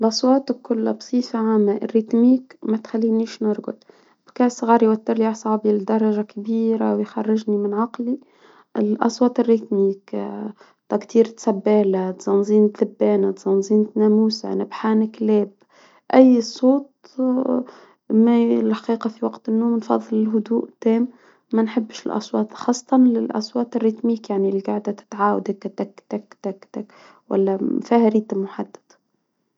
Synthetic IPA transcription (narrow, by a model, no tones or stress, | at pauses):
lʔɑsˤwɑːt̪kːʊlːabsˤiːfaʕaːmːaʔrːit̪miːkmæt̪xælːiːniːʃnʊɾˤɡʊ̰d̪ | b̥kaːsˤɣɑːɾjwæt̪ːɪɾliasˤɑʕbild̪ɑɾˤːɑʒakbiːɾawjxɑrˤːɪʒnimɪnʕɑqli | ɪlʔɑ̰sˤwɑːt̪ɪrːit̪miːk | t̪ækt̪iːɾt̪sæbːæːlat̪z̥ɑnziːnt̪ðɪbːæːnat̪z̥ɑnzˤiːnt̪næmuːsa̰nɪbħanɪkleːb | ʔajːsˤoːt̪ | malħḁqiːqɑfiwaqt̪ɪnːoːmnfɑ̰ðˤːɨlɪlɦʊd̪uːʔt̪eːmː | anħɪbːʃɪlʔɑ̰sˤwɑːt̪xɑːsˤːɑt̪ˤɑnlɪlʔɑ̰sˤwɑːt̪ɪrːɪt̪miːkjaʕnilɡaʕd̪at̪ɪ̥t̪ʕaːwad̪akːt̪akːt̪akːt̪akːt̪ak | wa̰lːamfahaɾiːt̪mʊħad̪ːḁd̪̥